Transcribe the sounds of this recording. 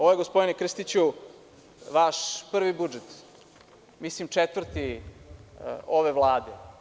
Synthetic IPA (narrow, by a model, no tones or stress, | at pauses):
oʋojeɡospod̪inekr̩st̪it͡ɕu | ʋaʃpr̩ʋibud͡ʒet̪ | mislimt͡ʂet̪vr̩t̪i | oʋeʋlˠaːd̪e